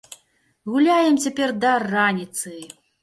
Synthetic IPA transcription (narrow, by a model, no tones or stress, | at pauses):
ɣulʲajɛmt͡sʲapʲɛrd̪ɐranʲit̪sɨ